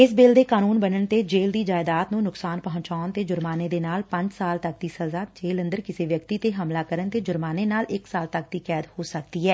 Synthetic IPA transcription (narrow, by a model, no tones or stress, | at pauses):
ɪs̬beːld̪eːkaːnuːnbənəɳt̪eːd͡ʒeːld̪iːd͡ʒaːɪd̪aːt̪nũːnʊksaːnpəɦʊ̃ɲt͡ʃaːʊnt̪eːd͡ʒʊɾmaːneːd̪eːnaːlpə̃ɲd͡ʒsaːlt̪ək̚d̪iːsəzaːd͡ʒeːlə̃nd̪əɾkɪseːʋjək̚t̪iːt̪eːɦəmlaːkəɾənt̪eːd͡ʒʊɾmaːneːnaːlɪksaːlt̪ək̚d̪iːkɛːd̪hoːsək̚d̪iːɦɛː